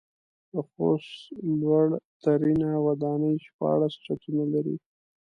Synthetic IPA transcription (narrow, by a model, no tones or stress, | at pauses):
d̪əxoslwaɽt̪aɾinawad̪ɑnəjʃpɑ̰ɽast͡ʃatunalaɾḭ